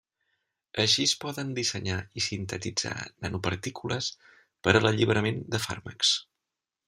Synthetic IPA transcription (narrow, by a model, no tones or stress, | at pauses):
əʃispɔðənd̪isəɲaisint̪ət̪id͡za̰nənupəɾt̪ikulʔəs | pəɾələʎiβɾəmend̪əfa̰ɾməks